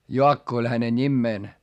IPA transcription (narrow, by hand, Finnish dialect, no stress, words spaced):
joɑkːo olʲ hæne nʲimːeːn